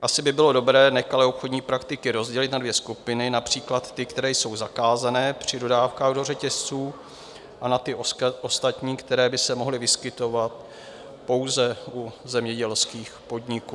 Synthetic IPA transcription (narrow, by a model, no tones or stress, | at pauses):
ʔasɪbɪbɪlo̞do̞bɾɛːnɛxalɛo̞pxodɲiːpɾakt̪ɪkɪɾo̞zɟɛlɪt̪nadvjɛskupɪnɪnapr̝̥iːklat̪ːɪkt̪ɛɾɛːjso̞wzakaːzanɛːpr̝̥ɪdo̞daːfkaːɣdo̞rɛcɛst͡suː | ʔanat̪ɪʔost̪at̪ɲiːkt̪ɛɾɛːbɪsɛmoɦlɪvɪskɪt̪o̞vat̪̚ | po̞wzɛʔuzɛmɲɛɟɛlskiːxpo̞dɲɪkuː